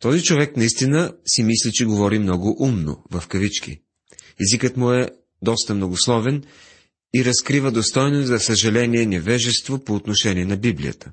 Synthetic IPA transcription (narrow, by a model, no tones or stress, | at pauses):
t̪ɔzit͡ʃovɛknɐist̪inəsimislit͡ʃɛɡovɔɾimnɔɡʊʔumno̰vɐfkɐvit͡ʃkḭ | ɛzikət̪mʊɛ | d̪ɔst̪ɐmnoɡoslˠɔvɛn | iɾɐskɾivəd̪ost̪ɔjnozzɐsɐʒɐlɛniɛnɛvɛʒɛst̪vopoːt̪noʃɛniɛnɐbiblḭjə̰t̪ə̥